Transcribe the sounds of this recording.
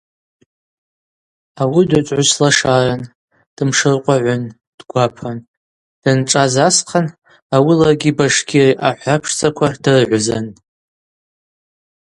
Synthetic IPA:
awidat͡ʃʼʕʊslaʂaran | d̥ɨmʂɨrqʷʼaʕʷʊn | d̥ɡʷapʰan | d̥ɨnʈ͡ʂʼazasqʰan | awilarɡʲibaʂɡʲʰiriʔaħʷapʰʂt͡sʼakʷʰadɨrʕʷzan

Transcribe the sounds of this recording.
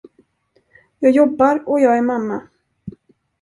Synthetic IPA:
jɑːɡjɔbːaɾɔjɑːɡæɾmamːa

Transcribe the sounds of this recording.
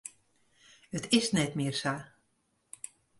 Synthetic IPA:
ət̪ɪsnɛt̪mersa

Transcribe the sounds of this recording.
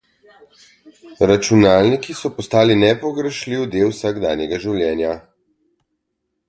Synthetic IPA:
ɾat͡ʃunaːlnikisɔpɔst̪aːlinɛpɔɡɾɛʃliwd̪eːlwsaɡd̪aːnjɛɡaʒiwljɛːnja

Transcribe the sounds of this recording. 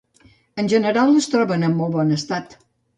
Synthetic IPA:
ənʲʒənəɾalˠəst̪ɾɔβənəmːɔlˠβɔnəst̪at̪

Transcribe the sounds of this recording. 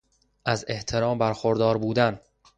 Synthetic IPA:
ʔæze̞ht̪ʰe̞ɾɒːmbæɾxoɾd̪ɒːɾbuːd̪æn

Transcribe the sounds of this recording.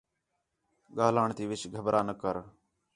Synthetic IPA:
ɠaːlaːɳt̪iːʋɪt͡ʃɡʱəbɾʔaːnəkəɾ

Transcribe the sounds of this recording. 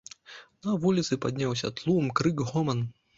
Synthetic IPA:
nɐvulʲit̪sɨpad̪ʲnʲawsʲɐ̰t̪lˠumkɾɨkɣɔmɐn

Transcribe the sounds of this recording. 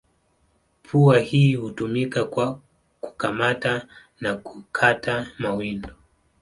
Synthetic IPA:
pʰuahiːhutumikakwa | ku̥kamata | nakukʰatamawindɔ

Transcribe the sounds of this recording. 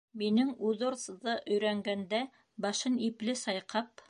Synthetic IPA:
minɘŋʉðŏɾθðɤʔɵ̆jɾæŋɡænd̪æ | bɑʃɤniplɘsɑjqɑp̚

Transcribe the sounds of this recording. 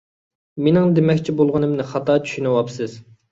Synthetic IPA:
menɪŋd̪emɛkʲt͡ʃʰibolˠʁənɨmnɪχɑt̪ɑːt͡ʃʰy̥ʃynɨwɑpsɨz̥

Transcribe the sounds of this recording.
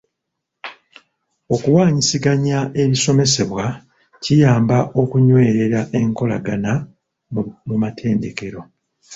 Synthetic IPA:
o̞kuwaːɲisiɡaɲaʔe̞βiso̞me̞se̞βwa | cijaːmbaʔo̞kuɲwe̞ːɾe̞ɾaʔe̞ŋko̞la̰ɡana | mumatʰe̞ːnde̞ke̞ɾo̞

